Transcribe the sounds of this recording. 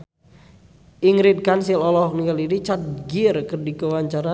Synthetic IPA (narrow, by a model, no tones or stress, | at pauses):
ʔiŋɾid̪̚kansɪlɔlɔɦɔk̚niŋɡaliɾit͡ʃat̪̚ɡirkərdikəwaɲt͡ʃaɾa